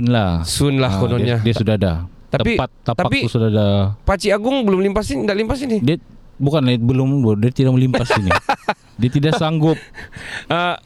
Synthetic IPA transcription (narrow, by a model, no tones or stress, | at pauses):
nlahsʊnlahkonodiaɲadiasudaada̰ | t̪aəppat̪ːat̪pakpkit̪usudadapat͡ʃiaɡʊŋbəlʊmlimpasindaʔlimpasinidiabukanlaɪt̪̚bəlʊmbdiat̪idak̚məlimpasini | diat̪idaʔsaŋɡʊp̚ə